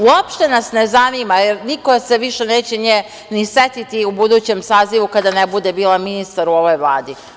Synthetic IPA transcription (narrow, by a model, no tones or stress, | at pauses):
uopʃt̪e̞nasnezanimajeɾnikose̞ʋiʃe̞neːt͡ɕeɲe | niset̪it̪iubud̪uːt͡ɕe̞msaːziʋukad̪anebud̪e̞biːlaminist̪aɾuo̞ʋo̞jʋlˠaːd̪i